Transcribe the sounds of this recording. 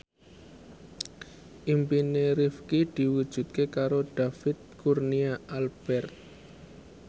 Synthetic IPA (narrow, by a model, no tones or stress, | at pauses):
ʔimpineɾifkid̪̥i̤wud̥ʒ̥ṳt̪̚kekaɾod̪̥a̤fɪt̪̚kurniaalb̥ɛrt̪̚